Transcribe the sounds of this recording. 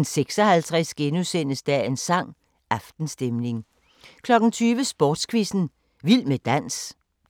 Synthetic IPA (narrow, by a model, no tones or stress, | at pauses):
n̩seɡ̥sɒ̽hælt͡sʰʁɛsɡ̥e̝nusen̰əsd̥æe̝nsɑ̈ŋ̰ | ʔɑ̈fd̥n̩sd̥emne̝ŋ | kʰlɒ̽ɡ̥n̩t͡sʰyːʋəsb̥ɔːd̥skʰʋisn̩ | ʋil̰med̥æn̰s